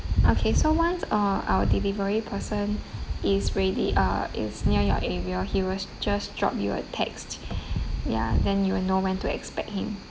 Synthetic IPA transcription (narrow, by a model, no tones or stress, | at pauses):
ʔokʰesowãnsaa̰wədilivəɹipʰəsə̃nisɹelḭʔʌ̰ḭsniəjɔ̰ʔɛɹiəhiwɪld͡ʒasdɹɔ̰pjṵə̰tʰɛ̰kst | ja̰dɛ̃njuwɪlnowɛ̃ntuɛ̰kspɛk̚t̚hĩm